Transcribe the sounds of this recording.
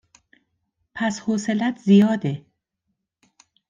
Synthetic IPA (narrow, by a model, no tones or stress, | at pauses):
pʰæshoːse̞læt̪ʰzijɒːd̪e